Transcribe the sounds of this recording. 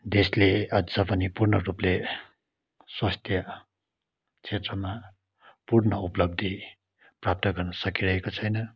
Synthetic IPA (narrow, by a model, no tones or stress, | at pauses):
d̪esleʌd͡zʌpʌnipurnʌruple | swast̪ʰjʌ | t͡sʰet̪rʌma | purnʌuplʌb̚d̪ʱi | prap̚t̪ʌɡʌrnʌsʌkiɾʌɦekot͡sʰʌjnʌ